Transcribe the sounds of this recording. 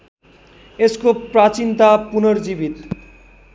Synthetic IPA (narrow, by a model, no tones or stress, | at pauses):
eskopɾat͡ɕint̪apunoɾd͡ʑibit̪